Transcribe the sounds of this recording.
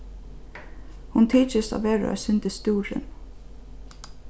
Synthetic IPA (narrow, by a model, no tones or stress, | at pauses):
hʊnt̪ʰiːt͡ʃəsɑ̰ːʋeːɾ̰æ̰sʏnt̪əst̪uːɾə̰n